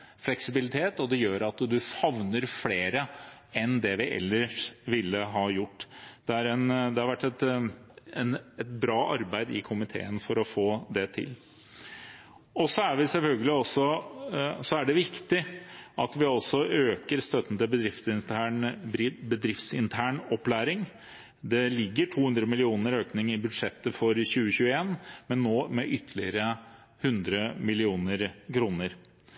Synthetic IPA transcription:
flɛksɪbɪlɪt̪ʰeːt̪ɔd̪ɛjøːɾɑt̪d̪ʉɑʋnəɾfleːɾə | ɛnd̪ɛʋɪʔɛ̰lːəʂʋɪlːəɦɑːjʊʈːd̪̥ɛæɾɛnd̪ɛhɑɾʋæʈːɛt̪ | ɛnɛt̪bɾɑːʔɑɾbæɪd̪ɪ̰kʰʊmɪt̪ʰḛːənfɔɾɔfoːd̪ɛt̪ʰɪ̰l | ɔsɔæɾʋɪsɛlfœlɡəlɪɔsːɔ | sɔæɖɛʋɪkt̪ɪʔɑt̪ʋɪɔsɔʔøːkəɾst̪œt̪ən̩t̪ɪlbəd̪ɾɪft̪ɪnt̪æɳɪbəd̪ɾɪft̪sɪnt̪ʰæːɳɔpːlæːɾɪŋ | d̪ɛlɪɡːəʈʰuːhʉnd̪ɾəmɪlɪuːnəɾøːknɪŋɪbʉd̪ʂɛt̪ːəfɔɾçʉːəçʉːəeːnmɛnːoːmɛʔʏt̪ʰːəlɪəɾə | hʉnd̪ɾəmɪlɪuːnəɾkʰɾuːnəɾ

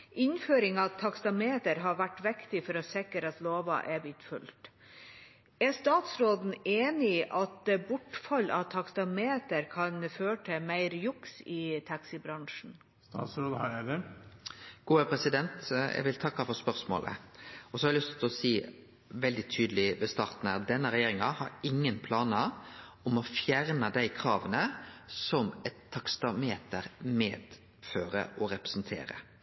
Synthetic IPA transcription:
ʔɪnføːɾɪŋɑt̪ʰɑkst̪ɑmeːt̪əɾɦɑɾʋæʈːʋɛkt̪ɪfɔɾɔsɛkːəɾət̪loːʋɑ̰ʔɛbiːt̪fʉ̰lt̪ | æst̪ɑːt̪sɾoːd̪n̩eːnɪʔɑt̪bʊʈfɑlːʔɑ̰ʋt̪ʰɑkst̪ɑmeːt̪əɾkʰɑnføːəʈʰɪmæɪɾjʊksɪt̪ʰɑksɪbɾɑŋʂn̩ | t̪ːsɾoːd̪ | ɡ̥uːəpʰɾɛsɪd̪ɛnt̪ɛ̰ɡʋɪlt̪ʰɑkːɑfɔɾspœɾsmo̰ːlʔə̰ɔsɔhɑɾɛlʏst̪ʰɪlɔsiː | ʋɛld̪ɪt̪ʰyːd̪əlɪʋɛst̪ɑːɾt̪n̩æːʁd̪ɛnːəɾɛjeːɾɪŋɑhɑɾɪŋːənpʰlɑːnə | ɔmɔfjæɾnəd̪æɪkʰɾɑːʋənəsɔmɛt̪ʰːɑkst̪ɑmeːt̪əɾmeːd̪̥ | føːɾə̰ʔɔɾɛpɾɛ̥snt̪ʰḛːɾə̰

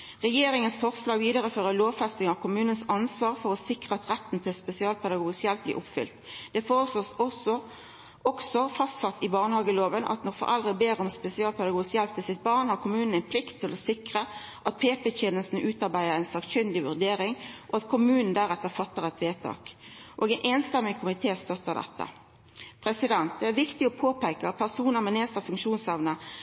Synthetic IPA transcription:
ʁɛjeːɾɪŋənsfɔʁslɑːɡʋiːd̪əʁəføːʁəloːʋfɛst̪ɪŋɑʋkʰʊmʉːnənsɑnsʋɑːʁfɔʁɔsɪkʁəɑt̪ʁɛt̪ːn̩t̪ʰɪlspɛsɪɑːlpʰɛd̪ɑɡuːɡsjɛlp̚blḭʔʊpfʏ̰lt̪d̪̥ɛfoːʁəsloːs | ɔksɔfɑst̪sɑt̪ːɪbɑːʁnəhɑːɡəloːʋənʔɑ̰t̪nɔʁfɔ̰ʁʔɛ̰ld̪ʁəbeːɾɔmspɛsɪɑːlpʰɛd̪ɑɡuːɡsjɛlp̚t̪ʰɪlsɪt̪̚bɑʁnhɑʁkʰʊmʉːnn̩æɪnpʰlɪkt̪ʰːɪlɔsɪkʁə | ʔɑt̪̚pʰeːpɛɕɛnəlsn̩ʉːt̪ɑʁbæɪd̪əʁæɪnsɑːkçʏnd̪ɪʋʉd̪eːɾɪŋʔɔɑt̪kʰʊmʉːnn̩d̪æɾɛt̪ːəʁfɑt̪ːəʁɛt̪ʰʋeːt̪ʰɑ̰ːkʔoːɡɛɪnʔɛːnst̪ɛmːɪkʰʊmɪt̪ʰeːst̪œt̪ːəʁd̪ɛ̰t̪ːə̰ | pʰʁɛsɪd̪ɛnt̪̚d̪ɛæɾʋɪkt̪ɪɔpʰoːpʰæɪkəɑt̪̚pʰæʁsuːnəmɛneːst̪əfʉŋkʃuːnshɛʋnə

